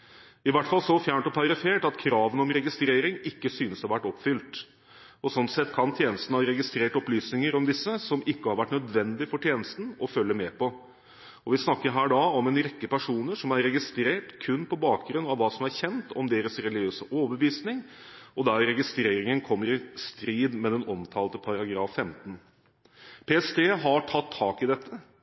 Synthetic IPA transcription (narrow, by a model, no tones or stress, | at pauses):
ɪʋæʈːfɑlsɔfjæːɳʈɔpʰɑɾɪfeːʈɑt̪kʰɾɑːʋənɔmɾɛɡɪst̪ɾeːɾɪŋɪkːəsyːnəsɑɾʋæʈːɔpːfʏlt̪ | ɔsɔnːsɛt̪ːkʰɑnt̪ʰjeːnəst̪n̩hɑɾɛɡɪst̪ɾeːʈɔplyːsnɪŋəɾɔmd̪ɪsːəsɔmɪkːəhɑɾʋæʈːnœd̪ʋɛnd̪ɪfɔʈʰjeːnəst̪n̩ɔfœlːəmɛːpɔ | ɔʋɪsnɑkːəɾɦæːɖɑɔmɛnɾɛkːəpæʂuːnəʂɔmæɾɾɛɡɪst̪ɾeːʈkʰʉnːpʰɔbɑːkɡɾʉnːɑʋʋːɑːsɔmæɾçɛnt̪ʰɔmd̪eːɾəsɾɛlɪɡøːsəʔoːbəʋiːsnɪŋ | ɔd̪æɾɾɛɡɪst̪ɾeːɾɪŋənkʰɔmːəɾɪst̪ɾiːd̪mɛd̪ɛnɔmt̪ʰɑːlət̪əpʰɑɾɑɡɾɑːfːɛmt̪n | pʰeːɛst̪ʰeːɦɑʈʰɑt̪ʰːɑːkɪd̪ɛt̪ʰːə